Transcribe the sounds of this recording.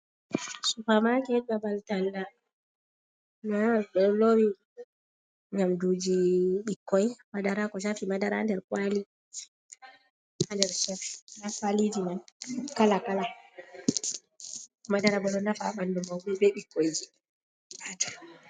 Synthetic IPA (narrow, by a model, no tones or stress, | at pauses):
supamakɛbabaltalːa | naɗɔlowi | ɲamdud͡ʒiɓikːɔjmadaɾakɔʃafimadaɾa̰ndɛɾkwali | andɛɾʃɛfnakwalid͡ʒinankalakala | madaɾabɔɗɔnafaɓandɔmawbɔbɛɓikːɔjd͡ʒi | batḁ